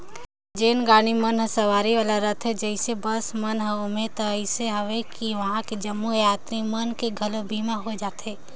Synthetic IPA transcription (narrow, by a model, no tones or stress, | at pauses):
d͡ʒeːnɡaːɽ̃imɐnɦəsɐʋaːɾiʋaːlaɾɐt̪ʰɦɛd͡ʒəɪsebɐsmɐnɦɛʊmet̪ɐɪseɦɐʋekiʋɐɦãkid͡ʒɐmːujaːt̪ɾimɐnkeɡʱɐlobiːmaɦod͡ʒaːt̪eː